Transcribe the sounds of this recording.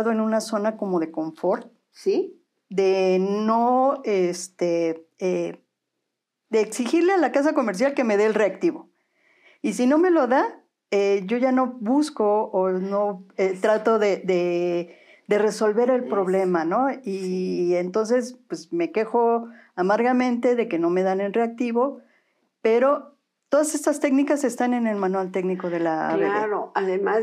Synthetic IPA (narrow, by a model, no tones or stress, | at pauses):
ðoe̞nũnaso̞nako̞mo̞ðe̞ko̞ɱfo̞ɾ | si | d̪e̞no̞est̪ee | d̪eːksixiɾle̞alakas̬ako̞meɾs̬jalke̞me̞ðe̞ːlre̞akt̪iβo̞ | isino̞me̞lo̞ða | eʝo̞ʝano̞βusko̞ːno̞et̪ɾat̪o̞ðeðe̞ | ðe̞re̞so̞lβe̞ɾe̞lpɾo̞βle̞mano̞ient̪o̞ns̬e̞spwe̞sme̞ke̞xo̞ | amaɾɣamẽ̞nt̪e̞ðe̞ke̞no̞me̞ðanenre̞ak̚t̪iβo̞ | pe̞ɾo̞ | t̪o̞ðase̞st̪ast̪e̞knikase̞st̪ane̞ne̞lmãnwalt̪e̞ɡniko̞ðe̞laa̰βeðeɾoaðema